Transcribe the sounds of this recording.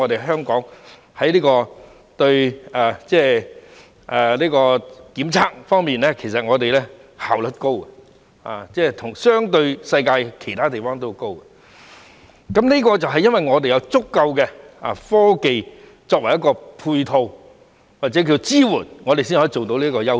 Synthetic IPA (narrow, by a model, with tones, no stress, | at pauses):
ɔ˨˧e˨jhɦœː˥ŋkɔː˨˥ŋ | hɐ˨˥jliː˥kɔː˧ | t̪ɵ˧ɥaː˨t͡sɛː˥˩ | ʔɛ˨liː˥kɔː˧kiː˨˥mt͡sʰaː˥k̚fɔː˥ŋmiː˨˩nɛː˥kʰe˨˩sɐ˨t̚ŋɔː˨˧t̪e˨jlɛː˥haː˨wlə˥t̚ko˥wɛ˨ | a̰˨t͡sɛː˥˩t̪ʰʊ˨˩ŋsœː˥ŋt̪ɵ˧ɥsɐ˧jkaː˧jkʰe˨˩jt̪ʰaː˥t̪e˨˩jfɔː˥ŋt̪o˥wko˥wkɛ˨ | kɐ˨˦˥mniː˥kɔː˧t͡sɐ˨wɦɐ˨jɐ˥nʋɐ˨˩jŋɔː˨˧t̪̬e˨jɐ˨˧wt͡sʊ˥kːɐ˧wkɛ˧a̰˨˩fɔː˥ke˨j | t͡sɔː˧k̚wɐ˨˩jɐ˥tkɔː˧pʰuː˧jt̪ʰo˧w | waː˨k̚t͡sɛ˨˥k̬iː˧t͡siː˥wuː˨˩nŋɔː˨˧t̪e˨siː˥nhɔː˨˥˨t͡so˨wt̪o˧wliː˥kɔː˧jɐ˥